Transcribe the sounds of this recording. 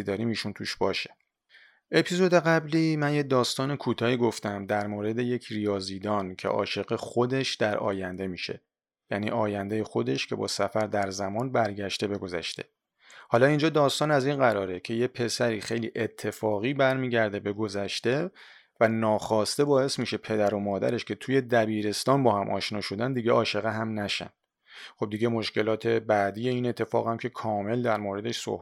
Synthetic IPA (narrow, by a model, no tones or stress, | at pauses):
id̪ɒːɾiːmiːʃunt̪ʰuːʃb̥ɒːʃe | ʔe̞pʰizo̞d̪e̞ɣæbliːmænjed̪ɒːst̪ɒːne̞kʰuːt̪ʰɒːiːɡo̞ft̪æmd̪æɾmoːɾe̞d̪e̞je̞cʰrijɒːziːd̪ɒːncʰe̞̰ʔɒ̰ːʃe̞ɢexo̞d̪e̞ʃd̪æɾɒ̰ːjænd̪e̞miːʃe̞̰ | jænḭːʔɒːjænd̪ejexo̞d̪e̞ʃcʰe̞̰bɒ̰ːsæfæɾd̪æɾzæmɒːnbæɾɟæʃt̪e̞be̞ɡo̞zæ̰ʃt̪e̞̰ | hɒːlɒːind͡ʒɒːd̪ɒːst̪ɒːnæzinɢæɾɒːɾe̞cʰe̞jepʰe̞sæɾiːxe̞jliːʔet̪ʰːe̞fɒːɣiːbæɾmiːɟæɾd̪e̞be̞ɡozæʃt̪e̞ | vænɒːxɒːst̪e̞bɒːe̞smiːʃe̞pʰe̞d̪æɾo̞mɒːd̪æ̰ɾe̞ʃcʰe̞t̪ʰuːje̞d̪æbiːɾe̞st̪ɒːnbɒːhæmʔɒ̰ːʃnɒːʃo̞d̪ænd̪iɟeʔɒːʃe̞ɣeɦæmnæʃæ̰n | χo̞b̚d̪iɟe̞mo̞ʃce̞lɒːt̪ʰe̞bæːd̪iːjeiːne̞t̪ʰːe̞fɒ̰ːɣhæmcʰe̞kʰɒːme̞ld̪æɾmoːɾe̞d̪e̞ʃso̰h